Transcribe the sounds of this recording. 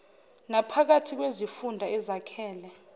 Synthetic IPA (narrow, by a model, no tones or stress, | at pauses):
napʰak̬atʰik̬wezifundʱaɛzakʰɛːlɛ